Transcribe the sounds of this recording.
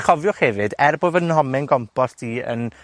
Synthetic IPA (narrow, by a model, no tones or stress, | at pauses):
χɔvjɔχhɛvɨdɛrbovənhɔmɪnɡɔmpʰɔstʰiːə̰n